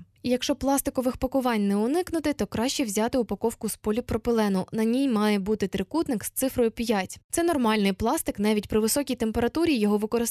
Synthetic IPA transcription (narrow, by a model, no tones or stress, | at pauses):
jɐkʃt͡ʃɔplˠɑst̪ɪkɔʋɪxpɐkʊʋɑnʲnɛʊnɪknʊt̪ɪt̪ɔkɾɑʃt͡ʃɛwzʲɑt̪ɪʊpɐkɔwkʊspɔlʲipɾɔpɪlˠɛnʊnɐnʲijmɑjɛbut̪ɪt̪ɾɪkut̪nɪkst̪sɪfɾɔjʊpʲjatʲt̪sɛnɔrmɑlʲnɪjplˠɑst̪ɪkn̪ɑʋʲitʲpɾɪʋɪsɔkʲijt̪empeɾɐt̪uɾʲijɔɦɔʋɪkɔɾɪs